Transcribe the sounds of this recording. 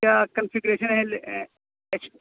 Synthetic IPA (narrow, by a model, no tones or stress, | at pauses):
akənfiɡuɾeʃənɦel | es